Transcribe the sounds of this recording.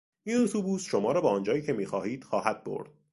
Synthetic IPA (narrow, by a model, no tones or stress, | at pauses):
iːnut̪ʰubuːsʃo̞mɒːɾɒːbɒːɒːnd͡ʒɒːjiːcʰe̞miːxɒːhiːd̪̥xɒːhæd̪̥̚bo̰ɾd̪̥̚